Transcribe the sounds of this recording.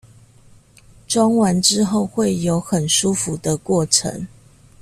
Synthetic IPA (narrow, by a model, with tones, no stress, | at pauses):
ʈ͡ʂwɑ˥ŋwa˧˦nʈ͡ʂɻ̩˦xo˥˨ʊxwe˥˨ɪjo˨˦ʊxə˨˩nʂu˦fu˨˦d̪ə˧kwɔ˥˩ʈ͡ʂʰə̰˧˦ŋ